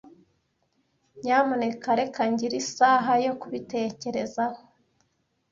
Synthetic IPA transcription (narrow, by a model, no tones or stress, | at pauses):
ɲaːmonekaɾekaɲɟiɾisaɦajo̞kuβite̞ːce̞ɾe̞zaho